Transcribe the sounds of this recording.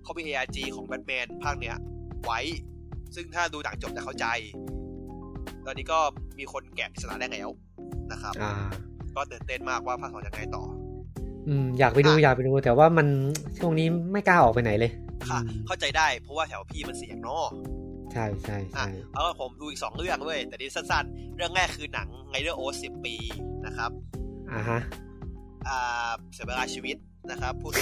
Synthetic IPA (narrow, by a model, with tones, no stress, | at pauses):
kʰa˦˥wmiː˧ʔe˧ʔaː˧t͡ɕiː˧kʰɔː˩˦ŋbɛ˦˥t̪̚mɛː˧npʰaː˥˩k̚ni˦˥ɐwa˦˥j | sɯ˥˩ŋt̪ʰaː˥˩duː˧la˩˦ŋt͡ɕo˨˩p̚t͡ɕa˨˩kʰa˥˩t͡ɕa˧j | t̪ɔː˧nːiː˦˥kɔː˥˩miː˧kʰo˧nkɛː˨˩p̚ʔi˨˩sa˧na̰ː˨˦aɛː˥˩˨ŋlɛ˨˩w | na˦˥kʰa˦˥p̚ʔaː˧˩kɔː˥˩t̪ɯː˨˩nt̪e˥˩nmaː˥˩k̚waː˥˩pʰaː˥˩ksɔː˨˩˦ja˧ŋːa˧jt̪ɔ̰ː˨˩ | ʔɯː˧mjaː˨˩k̚pa˧jduː˧jaː˨˩k̚pa˧jduː˧t̪ɛː˨˩˦waː˥˩ma˧nt͡ɕʰu˥˩əŋniː˦˥ma˥˩jkaː˥˩ʔɔː˨˩k̚pa˧jna˩˦jlɤː˧jkʰa˧˩kʰa˥˩wt͡ɕa˧jdaː˥˩jpʰɔ˦˥waː˥˩t̪ʰɛ˩˦wa˧pʰiː˥˩ma˧nsi˨˦ə˦ŋnɔː˧˥˩t͡ɕʰa˥˩jt͡ɕʰa˥˩jt͡ɕʔa˧˩˥jʰa˧˩ka˧˥˩pʰo˩˦mduː˧ʔi˨k̚sɔː˩˦ŋɾɯ˥˩əŋdu˥˩əjt̪ɛː˨˩diː˧˥˧sa˥˩nsa˥˩nɾɯ˥˩əŋːɛː˥˩kʰɯː˧na˩˦ŋŋa˧jdɯː˥˩ʔoː˦˥si˨˩pːiː˧na˦˥kʰɾa˦˥p̚ʔa˧˩ɦa˦˥ʔ | ʔaː˨˩si˨˩˦ba˧laː˧t͡ɕʰiː˧wi˦˥t̪̚ | na˦˥kʰɾa˦˥pʰːuː˥˩